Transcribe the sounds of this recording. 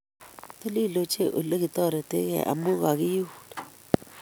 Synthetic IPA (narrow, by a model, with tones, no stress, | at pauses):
to˦li˦˨lo˨t͡ʃe˦˨ʔo˨le˦kɪ˨tɔ˦˨ɾe˨te˦kɛ̰˨ʔa̰˨mu˦ɣa˨kɪ˦ju˦hu˦d̥